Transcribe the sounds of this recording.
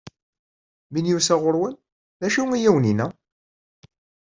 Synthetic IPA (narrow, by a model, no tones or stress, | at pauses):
minjusæʁʊɾwən | ðæʃiŋijæwninæ